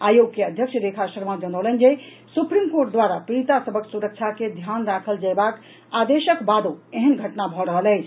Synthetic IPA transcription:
ajoɡkeəd̪ʱjəkʃʰɾekʰasəɾmad͡ʒənəwlɛnd͡ʒe | supɾimkoɾʈ̚d̪waɾapiɾit̪asəbʱəksuɾək̚t͡ʃʰaked̪ʱjanɾakʰəld͡ʒaebak | ad̪eʃəkbad̪oeɦənɡʱəʈnabʱɔɾəɦəlɛt͡ʃʰ

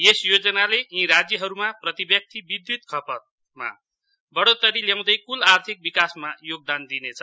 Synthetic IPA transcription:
esjod͡zʌnaleĩɾad͡zjʌɦʌɾumaprʌt̪ibjʌk̚t̪ibid̪jut̪kʰʌpʌt̪̚ | ma̰ | bʌɽot̪ʌɾiljãw̃d̪ʌjkulart̪ʰik̚bikasmajoɡ̚d̪and̪inet͡sʰʌ

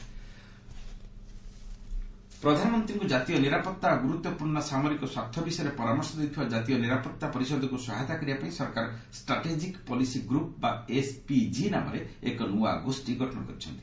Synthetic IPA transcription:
pɾɔd̪ʱanɔmɔnt̪ɾiŋkud͡ʒat̪ijɔniɾapɔt̪ːaɔɡuɾut̪ːɔpuɾɳɔsamɔɾikɔswat̪ʰːɔbisɔjɾepɔɾamɔɾsɔt̪it̪ʰibad͡ʒat̪ijɔniɾapɔt̪ːapɔɾisɔd̪ʱɔkusɔɦat̪akɔɾibapaĩsɔɾkaɾɔsʈɾaʈed͡ʒikpɔlisiɡɾup̚baespid͡ʒinamɔ̰ɾeekɔnuwa̰ɔ̰ɡosʈiɡʱɔʈɔnɔ̰kɔɾit͡ʃʰɔnt̪i

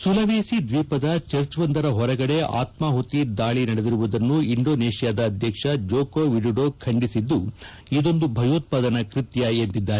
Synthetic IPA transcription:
sulɐʋeːsid̪ʋiːpɐd̪ɐt͡ʃɐɾt͡ʃʋɐnd̪ɐɾɐɦɔɾɐɡɐɽe̞a̰ːt̪maːɦot̪id̪aːɭinɐɽed̪iɾuʋud̪ɐnːuiɳɖo̞ːneːʃijaːd̪ɐːd̪ʱjɐkʂɐd͡ʒoːkoːʋiɖiɖokʰɐɳɖisid̪ːu | id̪o̞nd̪ubʱɐjoːt̪̚paːd̪ɐnɐkɾit̪jɐent̪id̪ːaːɾe

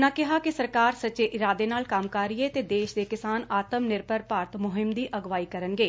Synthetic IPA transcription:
nãːkɪɦaːkɪsəɾkaːɾsət͡ʃeːʔɪɾaːd̪eːnaːlkamkaːɾieːt̪eːd̪eːʃd̪eːkɪsaːnaːt̪əmnɪɾbəɾpaːɾt̪mʊɦɪmd̪iːʔəɡʋaːiːkəɾənɡeː

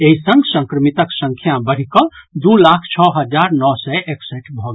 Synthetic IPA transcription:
eisəŋɡsə̃ŋkɾəmit̪əksə̃ŋkʰjabəɽ̤ikɔd̪ulakʰt͡ʃʰɔɦəd͡ʒaɾnɔsɛeksɛʈbʱɔɡ

